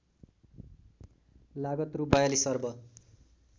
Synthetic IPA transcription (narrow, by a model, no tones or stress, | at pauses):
laɡʌt̪rubajʌlisʌrbʌ